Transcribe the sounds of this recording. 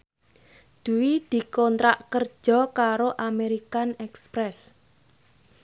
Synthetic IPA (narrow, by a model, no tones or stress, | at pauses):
d̪̥ṳwid̪̥i̤kɔnt̪ɾaʔkər̥ʒ̥ɔ̤kaɾoʔameɾikanɛkspɾɛs